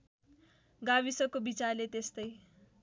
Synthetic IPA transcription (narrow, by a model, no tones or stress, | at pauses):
ɡaβisʌkobit͡sarlet̪est̪ʌj